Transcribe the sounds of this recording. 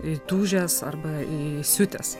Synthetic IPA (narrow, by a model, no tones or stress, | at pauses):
ɪt̪uːʒʲɛsɐ̰rbɐisʲʊt̪ʲɛ̰s